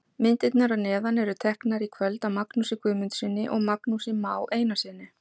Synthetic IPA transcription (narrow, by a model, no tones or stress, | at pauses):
mɪnt̪ɪt̪naɾanɛːðanɛɾʏt̪ʰɛhknaɾikʰvœlt̪amaknusɪkʰʏːmʏnt̪sɪnːɪʔɔɣmaknusɪmaːwʔeːjnasɪnːɪ